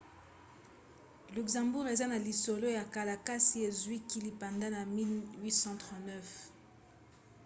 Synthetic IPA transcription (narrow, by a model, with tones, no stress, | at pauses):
ly˨kzɑ̃˨mbu˦ʁe˨za˦na˨li˨so˨lo˦ja˨ka˨la˨ka˦si˦e˨zwi˦ki˦li˨pa˨nda˦na˨mi˦lwi˦sɑ̃˦tʁɑ̃˨tnɛ˦f